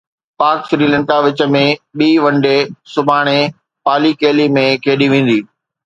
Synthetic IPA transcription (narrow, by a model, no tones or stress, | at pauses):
paːksɾiːlɐ̃ɳkaʋɪt͡ɕə̆mẽɓiːʋɐ̃ɳɖesʊbʱaːɽ̃e | paːlikeːlimẽkʰeːɗiʋẽːn̆d̪iː